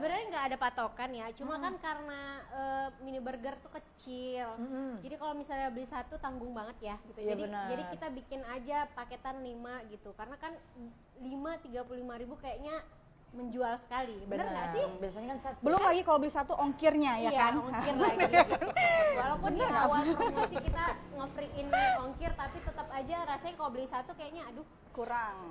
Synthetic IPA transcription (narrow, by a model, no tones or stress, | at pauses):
səbəɾaɾŋɡaːdapat̪okanjat͡ʃumakankaɾənaəminibərɡərt̪ukət͡ʃɪld͡ʒadikalomisalɲabəlisat̪ut̪aŋɡʊŋbaŋət̪jaɡit̪ujadiənd͡ʒadikit̪abikɪnad͡ʒapaket̪anlimaɡit̪ukarənakan | limat̪iɡapululimaɾibukajaʔɲa | məɲd͡ʒualsə̥kalibbənərŋɡaʔsɪbiasaɲakansabəlʊmlaɡikalobəlisat̪uʔɔŋkɪrɲajajaanɔŋkɪraɡiɡtwalapʊnawamast̪ɪhkit̪aŋəfɾiʔɪnɔŋkɪrt̪apit̪ət̪əpad͡ʒaɾasaɲakalobəlisat̪ukajaʔɲaːdʊ | kuɾaŋ